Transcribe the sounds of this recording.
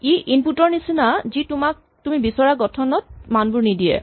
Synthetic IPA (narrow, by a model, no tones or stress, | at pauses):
iʔinputɔɹnisinazitumak̚ | tumibisɔɹaɡɔtʰɔnɔt̚manbuɹnidiɛ̰